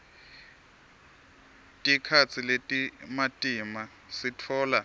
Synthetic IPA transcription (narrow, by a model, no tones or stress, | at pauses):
tʼikʰat͡sʰiletʼimatʼima | sitʰɔːla